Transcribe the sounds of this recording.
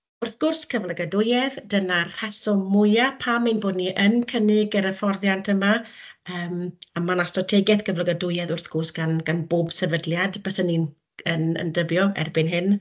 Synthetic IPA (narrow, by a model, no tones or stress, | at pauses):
ʊrθɡ̥ʊrskʰəvlˠəɡədʊjɛðd̥ənar̥ɛsɔmʊjapʰamːinboːdniʔənkʰənɪɡəɾəfɔrðjantʰəma | əːmamanastrɔtʰɛɡjɛθkʰəvlˠəɡədʊjɛðʊrθɡ̥ʊrsɡ̥anɡ̥anboːbsɛvədljadbəsənin | ənə̰ndəbjɔɛ̰rbɪnɦɪn